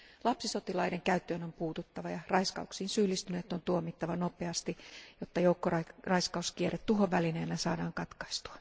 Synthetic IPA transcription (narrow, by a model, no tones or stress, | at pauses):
lɑpsisot̪ilɑideŋkæyt̪ːøːnompuːt̪ut̪ːɑʋɑjɑrɑiskɑ̰uksiːnsylːist̪yneːt̪ːont̪uomit̪ːɑʋɑnopeɑst̪ijot̪ːɑjoukːorɑrɑiskɑuskieret̪t̪uɦoʋʋælineːnːæsɑːdɑːŋkɑt̪kɑist̪u̥ɑ̥